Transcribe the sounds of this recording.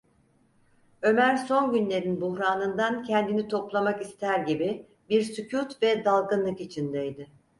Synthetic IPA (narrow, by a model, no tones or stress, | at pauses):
ø̞mæɾso̞nɟynlʲe̞ɾinbuhɾaːnɯnd̪ancʰɛnd̪init̪ʰo̞plˠamakist̪ʰæɾɟibi | biɾsycʰut̪vɛd̪alˠɡɯnlˠɯkit͡ʃʰind̪ɛjd̪ɪ